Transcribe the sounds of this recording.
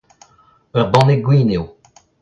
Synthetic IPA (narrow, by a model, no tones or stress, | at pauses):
œʁbɑ̃neɡwiːnew